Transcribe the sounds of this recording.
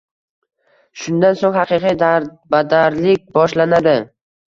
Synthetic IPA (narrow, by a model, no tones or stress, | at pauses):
ʃʊnd̪ansoŋhaqʰɨqʰijd̪a | bad̪aɾlɪk̚ʲbɒʃlanad̪ɪ